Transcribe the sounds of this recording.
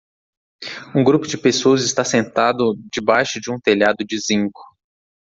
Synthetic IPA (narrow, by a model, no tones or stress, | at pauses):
ũɡɾupʊd͡ʒɪpesoɐzɪst̪asẽnt̪ad̪ʊd͡ʒɪbajʃʊd͡ʒɪũt̪eʎad̪ʊd͡ʒɪzĩŋkʊ̥